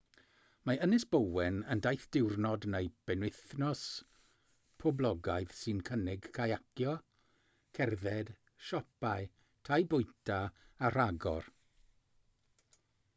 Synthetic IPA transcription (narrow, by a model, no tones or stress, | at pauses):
maənɪsb̥əwɛnəndajθd̥ɪwrnɔdnejb̥ɛnwɪθnɔs | pʰɔblˠɔɡaɨð̥sɨnkʰənɪɡ̥kʰajakʰjɔ | kʰɛrðɛd̥ | ʃɔpaɨ | tʰajbʊjtʰaar̥aɡɔ̰r